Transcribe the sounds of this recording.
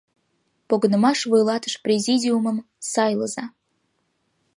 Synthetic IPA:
poɡnə̆mɑʂvɨjlˠɑt̪ə̥ʃprʲezʲidʲiuməm | sɑjlˠəzɑ

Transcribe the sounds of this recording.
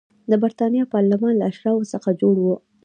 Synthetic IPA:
d̪əbaɾt̪ɑnjɑpɑɾlamɑnlaaʃɾɑwosəxad͡ʒoɽwu

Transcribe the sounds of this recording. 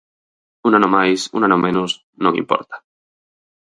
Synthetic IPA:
unanomajsṵnanomenus | nokḭmpɔ̰ɾt̪ḁ

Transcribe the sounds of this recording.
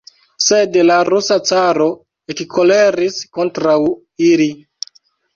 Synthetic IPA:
se̞dlaɾusat͡saɾo̞ | ekkʰo̞le̞ɾisko̞ntɾaw | ili

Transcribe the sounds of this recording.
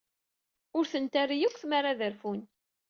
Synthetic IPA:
ʊɾθənt̪arijikʷθmaɾaðəɾfun

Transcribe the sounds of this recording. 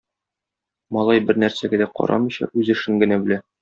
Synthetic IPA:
mɒlˠɑjbɘɾnæɾsæɡæd̪æqɒ̰ɾʔɑ̰mɤ̆jɕɑ̰ʔʉzɘ̆ʃɘŋɡɘ̆næbɘ̆læ

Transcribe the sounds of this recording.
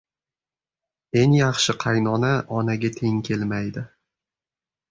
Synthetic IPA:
e̞ŋjɑχʃɪqʰɑjnɒnaʔɒnaɡʲat̪ʰe̞ŋkʲʰe̞lmajd̪ɪ

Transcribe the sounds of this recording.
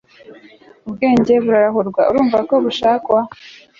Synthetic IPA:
ubɡe̞ːɲɟe̞βuɾaɾaɦuɾɡwauɾuːɱvako̞βuʃaːkwa

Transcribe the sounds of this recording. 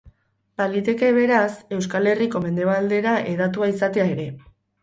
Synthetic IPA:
balit̪e̞ke̞β̞e̞ɾase̞wskale̞riko̞me̞nd̪e̞βald̪e̞ɾaʔe̞ð̞at̪uaisat̪e̞ae̞ɾe̞

